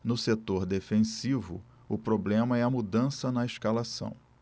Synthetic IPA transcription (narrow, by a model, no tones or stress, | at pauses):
nʊset̪oɾd̪efẽsivʊ̰ | ʊpɾoblẽmɐɛɐmud̪ɐ̃sɐnɐeʃkalasɐ̰̃w̃